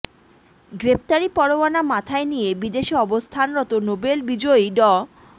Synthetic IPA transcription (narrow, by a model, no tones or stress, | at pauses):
ɡɾep̚ʰt̪aɾipɔɽowanamat̪ʰaenijebid̪eʃiɔbost̪ʰanɾɔt̪onobelbid͡ʑojɖɔ